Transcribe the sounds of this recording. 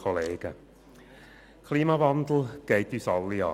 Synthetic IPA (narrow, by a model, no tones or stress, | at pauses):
ɔleːɡ̥ə̰ | kʰliːmavandl̩ˠɡ̥eɪtysɑlːiɑ̰ː